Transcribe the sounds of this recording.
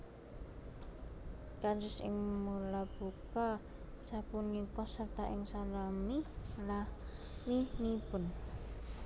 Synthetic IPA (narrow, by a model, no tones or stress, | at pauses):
kad͡ʒɪsɪ̰ŋmulab̥uka | sapʊnjukɔsərt̪aʔɪŋsalamilah | minipʊn